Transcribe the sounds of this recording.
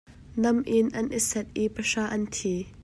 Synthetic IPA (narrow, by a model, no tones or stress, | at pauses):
nɐmʔɪnʔɐnʔisɛt̪̚ʔipɐʂaːʔɐnt̪ʰiː